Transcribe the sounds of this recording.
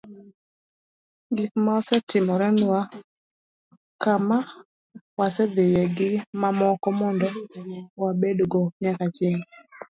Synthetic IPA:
ɡikmasɛtʰɪmɔɾɛnwa | kama | wasɛd̪ɪjɛɡɪmamɔkɔmɔndɔwabedɡɔɲakat͡ʃɛŋ

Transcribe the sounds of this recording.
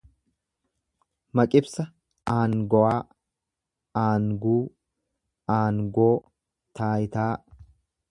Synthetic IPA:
mɐkʼɪbsɐ | ʔaːŋɡɔwaː | aːŋɡuː | aːŋɡoː | t̪ʰaːjɪt̪aː

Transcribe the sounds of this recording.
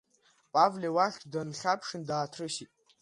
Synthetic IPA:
pʼavlʲewaχʲtʰʼdanχʲapʰʂɨndaːtʰrɨʃitʼ

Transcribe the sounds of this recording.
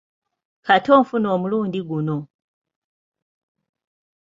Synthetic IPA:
kato̞ːɱfuno̞ːmuluːndiɡuno̞

